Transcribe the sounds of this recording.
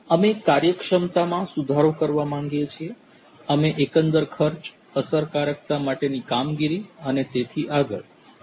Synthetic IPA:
əmekaɾjəkʂəmt̪amãsud̪ʱaɾokəɾʋamãŋɡjet͡ʃʰie | əmeʔekənd̪əɾkʰəɾt͡ʃ | əsəɾkaɾək̚t̪amaʈenikamɡiɾiənet̪et̪ʰiʔaɡə̰l

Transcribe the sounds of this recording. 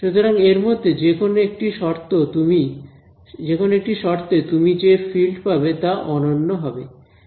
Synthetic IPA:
ʃut̪oɾaŋeɾmod̪ʱːed͡ʑekʰonoekʈiʃɔɾt̪ot̪umi | d͡ʑekʰonoek̚ʈiʃɔɾt̪et̪umid͡ʑefilʈpabet̪aʔɔnonːoɦɔbḛ

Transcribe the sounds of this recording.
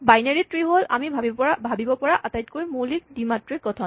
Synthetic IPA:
bajneɹitɹiɦolʔa̰mibʱabibɔpɔɹabʱabibɔpɔɹaʔatajtkoɹjmolikdimatɹiɡɔtʰɔn

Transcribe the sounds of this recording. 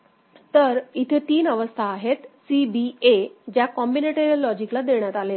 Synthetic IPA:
t̪əɾit̪ʰet̪iːnəʋəst̪ʰaːɦet̪sibied͡ʑjakɔmbineʈoɾijəlːɔd͡ʑiklad̪eɳjat̪alet̪

